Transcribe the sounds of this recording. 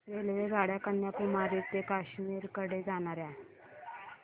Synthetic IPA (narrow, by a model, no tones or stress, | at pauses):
ɾelʋeɡʱaɽjakənjakumaɾiːt̪ekaɕmiːɾkəɽed͡zaɽ̃aɾja